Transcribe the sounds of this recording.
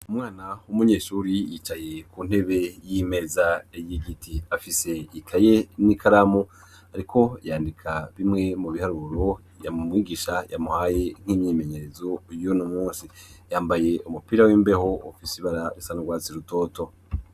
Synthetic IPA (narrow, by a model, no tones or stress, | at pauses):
umŋaːnaumuɲe̞ːʃuːɾijit͡ʃajekun̥he̞βe̞jim̥e̞ːzaejiɟitʰiafise̞ikʰajenikʰaɾamo | aɾikʰo̞jaːndikʰaβimŋe̞muβihaɾuɾo̞ | jamumŋiːɡiʃaja̰muhaːje̞ŋ̥hiːmɲiːme̞ɲe̞ɾe̞zo̞jonomuːnsijaːmbaje̞umupiːɾawiːmbe̞ho̞ufisiβaɾaɾisanaɡwaːt͡siɾuto̞ːto̞